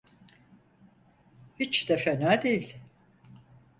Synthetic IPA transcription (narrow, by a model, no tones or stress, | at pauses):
hit͡ʃd̪efenæd̪ejilʲ